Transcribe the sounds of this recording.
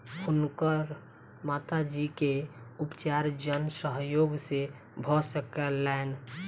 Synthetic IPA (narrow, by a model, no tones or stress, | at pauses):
ʊnkəɾ | mat̪ad͡ʒikeupt͡ʃaɾd͡ʒənsəɦjoɡse | bʱɔsəkɛlɛen